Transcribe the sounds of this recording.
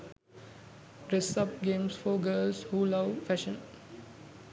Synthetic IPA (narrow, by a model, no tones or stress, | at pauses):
ɾesʌp̚ɡẽːmsfɔɡəːlshuːlaʋfæʃə̃n